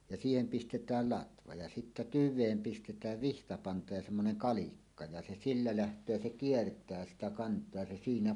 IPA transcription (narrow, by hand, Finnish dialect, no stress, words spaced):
jɑ siːhem pistetˑæːl lɑtʋɑ jɑ sitːæ tyʋˑeːm pistetˑæːʋ ʋihtɑpɑntɑ jɑ semːonen kɑlikːɑ jɑ se silːæ læhtˑøː jɑ se kiertˑæː sitæ kɑntˑoɑ jɑ se siːnæ